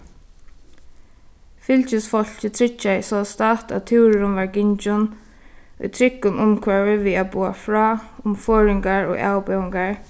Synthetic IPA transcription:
fɪlt͡ʃɪsfɔl̥cət̪ʰɾɪt͡ʃːasɔst̪at̪a̰t̪t̪ʰɪwɾɾʊnʋaɹɡɪɲt͡ʃʊn | ʊ̰t̪ʰɾɪkːʊnʔʊmkʰvɛvɪviːabuːa̰fɹaːʊmfɔːɹɪŋkaɹɔ̰ɡa̰ːwpɛwɪŋkaɹ

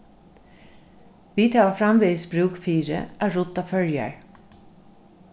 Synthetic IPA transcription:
ʋiːt̪ʰɑɑfɾɑmʋeːsbɾʉːkfiːɾə̰ʔæːɹʊt̪ɑfœljə̰ɹ

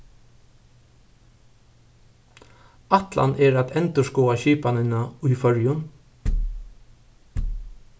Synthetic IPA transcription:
ɑt̪la̰nʔɛːɾæt̪ɛnt̪əʃkɔːaçiːpanɪnaʉːfœɹjʊn

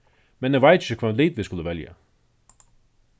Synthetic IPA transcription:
mɛnɛvaɪt̪ɪçəkʰvamliːd̪vɪskuləvɛlja̰

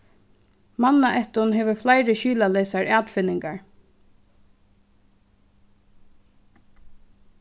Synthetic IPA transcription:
manːaʔɛht̪ʊnɦeːʋəflaɪɾəʃyːlaleːsaɹæːt̪fɪnːɪŋkaɹ

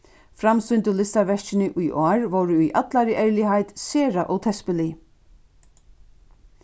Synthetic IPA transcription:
fɾamst̪ʏnt̪ʊlɪst̪aɾʋɛʂt͡ʃɪnɪʔujʔɔːɹʋɔwɾʊːjʔa̰t̪laɾɪʔɛɹlɪɦajt̪seːɾaʔɔɣt̪ʰɛspɪli

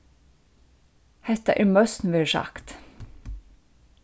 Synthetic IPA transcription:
hɛt̪a̰ʔɪmœst̪n̩ʋɪɾsɑ̰kt̪

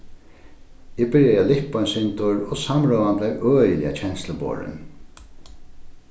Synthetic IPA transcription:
ɪbɪɹjaalɪhpansɪnt̪ʊɹɔsamɹɔːʋant̪lɛkøːjəlɪ̰a̰t͡ɕʰɛnsləbo̰ːɹɪ̰n

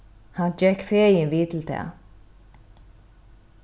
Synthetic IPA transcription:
hand͡ʒɛkfeːjɪnviːt̪ʰɪlt̪ʰɛ̰ː

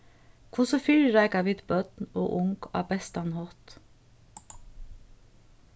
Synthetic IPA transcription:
kʰʊsəfyːlɾæɪkɑʋɪːd̪bœd̪n̩o̰ːʔʊŋɡʰɑ̰ːbɛst̪ɑnhɔt̪

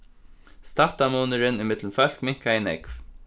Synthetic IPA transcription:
st̪aht̪amuːnəɾɪnɪmɪt̪lnfœl̥kmɪŋ̥kaɪnɛ̰kv

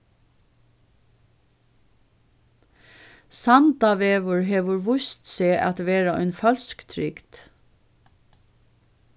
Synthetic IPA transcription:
sɑnd̪ɑʋeːʋəɹɦeːʋʊɹʋʊst̪seːʔɑt̪ʋeːɾəœ̰ʏnfɑlskt̪ʰɾʏkt̪

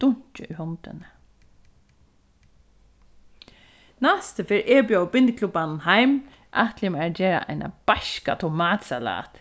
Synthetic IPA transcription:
t̪ʊɲ̥t͡ʃɪʏhɔnt̪ɪnə | nast̪əfeːɹʔeːbjawbɪnt̪kʰlubannɦajm | ʔaht̪lɪmɛd͡ʒeːɹa̰ʔa̰jna̰b̥aʃka̰t̪ʰʊmaːt̪sala̰ːt̪

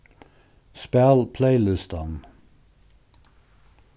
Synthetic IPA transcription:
spælpʰleɪlʏst̪ən

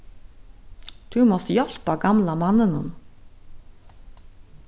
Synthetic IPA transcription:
t̪ʰumɔst̪jɔl̥paɡamlamanːɪnʊ̰n

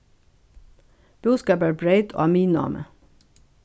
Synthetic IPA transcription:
b̥ʉːskɑːpæːbɹeɪt̪ʰo̰ːɑːmiːnɑ̰mə̰

